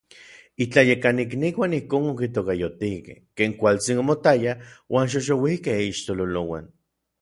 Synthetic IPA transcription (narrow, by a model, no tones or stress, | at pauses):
it͡ɬajekanik̬nikwʷanihkoːnokit̪̬okajot̪ikḛhkeːŋkʷalt͡sinomot̪ajawʔaːnʃ̬oʃ̬owihkehiʃt̪ololowa̰n